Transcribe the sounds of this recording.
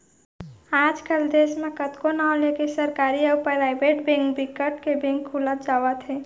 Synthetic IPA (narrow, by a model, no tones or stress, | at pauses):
aːd͡ʒkəld̪eːsmẽkət̪konaolekisəɾkaːɾiəpəɾɾaɪbeʈbẽŋkbikəʈkebẽŋkʰːulət̪̚d͡ʒaːwət̪ʰɦe